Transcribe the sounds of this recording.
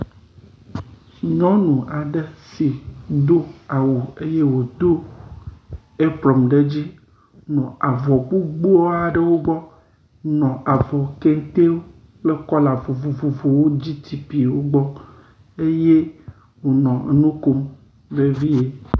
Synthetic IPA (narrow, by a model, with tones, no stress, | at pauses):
ɲɔ̃˦nũ˨a˨ɖe˦si˨d̪o˦a˨wu˨e˦je˦wo˨d̪o˦ | e˦bɾɔ˨mɖe˦d͡ʑi˦ | nɔ̃˨a˨vɔ˨k͡pu˦ɡ͡bu˦ɔ˦a˨ɖə˦wo˦ɡ͡bɔ˦ | nɔ̃˨ʔa˨vɔ˨ke˦ŋ˦t̪e˦wo˦ | le˦kɔ˦la˨vo˨vo˨vo˨vo˨wo˦d͡ʑi˦t̪i˦pi˨wo˦ɡ͡bɔ˦ | e˦je˦ | wo˨nɔ̰̃˨nũ˦ko˦m | be˦vi˦e˦